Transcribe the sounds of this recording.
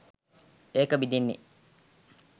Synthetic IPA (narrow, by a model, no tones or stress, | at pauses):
eːkəbid̪inːḛ